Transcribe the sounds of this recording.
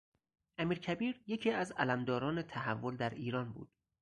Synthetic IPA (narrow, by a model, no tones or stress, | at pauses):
ʔæmiːɾcʰæbiːɾje̞cʰiːæzælæmd̪ɒːɾɒːnet̪ʰæɦævːo̞ld̪æɾiːɾɒːnbṵːd̪̥